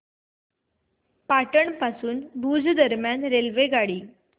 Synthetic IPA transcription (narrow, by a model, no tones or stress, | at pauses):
paʈəɳpasuːnbʱuːd͡zd̪əɾmjanɾelʋeɡaɽiː